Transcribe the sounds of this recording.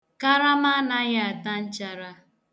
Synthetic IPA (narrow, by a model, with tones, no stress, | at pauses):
ka˦ɾa˦ma˦na˦ɣa˦a˨ta˦n̩˦t͡ʃa˦ɾa˦